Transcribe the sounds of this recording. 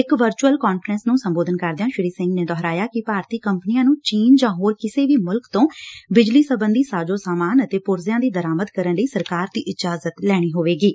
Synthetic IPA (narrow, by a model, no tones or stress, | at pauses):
ɪkʋəɾt͡ʃuəlkɔːnfɾɛ̃nsnũːsəmboːd̪ənkəɾd̪ɪjãːʃɪɾiːsɪ̃ŋɡneːd̪ɔɦɾaːjaːkɪpaːɾt̪iːkəmpnijãːnũːt͡ʃiːnd͡ʒãːɦoːɾkɪseːʋiːmʊlkt̪õːbɪd͡ʒliːsəbənd̪iːsaːd͡ʒoːsaːmaːnət̪eːpʊɾzɪjãːd̪iːd̪əɾaːməd̪kəɾənləiːsəɾkaːɾd̪iːʔɪd͡ʒaːzət̪lɛːɽ̃iːɦoːʋeːɡiː